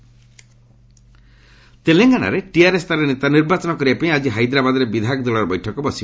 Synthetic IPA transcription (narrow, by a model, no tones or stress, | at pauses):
t̪eleŋɡana̰ɾeʈiaɾest̪aɾenet̪aniɾbat͡ʃɔnɔkɔɾibapaĩad͡ʒiɦajd̪ɾabad̪ɔɾebid̪ʱak̚d̪ɔlɔɾɔbɔjʈʰɔkɔbɔsi